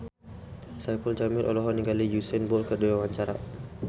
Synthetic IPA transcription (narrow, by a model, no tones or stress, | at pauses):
sajpəld͡ʒamɪɾʔɔ̰lɔɦɔniŋɡalijusɛnbɔrkəduwawaɲt͡ʃaɾa̰